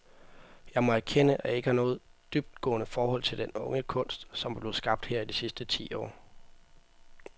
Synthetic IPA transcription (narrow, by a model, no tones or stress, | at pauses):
jɑ̈ɪmɒ̽æɐkʰenəʔæe̝ɡ̥əhɑ̈nɔːð̩ˠd̥yb̥̚d̥̚ɡ̥ɔ̰ːnəfɒːhɒ̽l̰t͡sʰe̝ld̥enɔ̽ŋəkʰɔ̽n̰sd̥sɒ̽mb̥le̝sɡ̥ɑ̈b̥̚d̥heɐ̰id̥isisd̥ət͡sʰḭːɒ̰ː